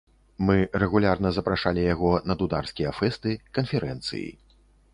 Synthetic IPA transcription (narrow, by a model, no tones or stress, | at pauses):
mɨrɛɣulʲarnɐzɐpɾaʂalʲijaɣɔnɐd̪ud̪arskʲijɐfɛst̪ɨkɐnfʲɛɾɛnt̪sɨ̰jḭ